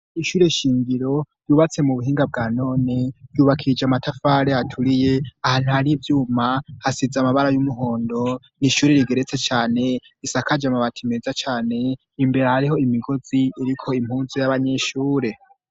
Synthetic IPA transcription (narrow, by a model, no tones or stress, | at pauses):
iʃuːɾe̞ʃiːŋɡiɾo̞ | juːβat͡se̞muβuɦiːŋɡab̚ɡaːno̞ːnejuːβakʰiid͡ʒamatʰafaːɾehatʰuɾije̞ahaːn̥uhaɾivjuːmahasizamaβaɾajumuɦo̞ːndo̞ | niʃuːɾe̞ɾiɡe̞ɾet͡se̞t͡ʃaːne̞ | isakad͡ʒamaβatʰimeːzat͡ʃaːne̞ | imbe̞ɾahaɾiho̞imiɡo̞z̥iːɾikʰo̞im̥huːnzijaβaɲeʃuːɾe̞